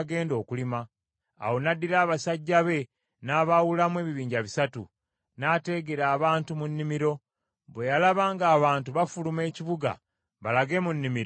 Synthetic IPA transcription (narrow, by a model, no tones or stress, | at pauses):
ɡe̞ːndo̞ːkulima̰ː | wo̞nadːiɾaːβasaɟːaβe̞ | naːβawulamwe̞ːβiβiːɲɟaβisatṵ | naːte̞ɡeɾaːβaːntumunːimiɾo̞ | βwe̞jalaβaːŋɡaːβaːntuβafulume̞ːciβuɡa̰ | βalaɡe̞munːimiɾo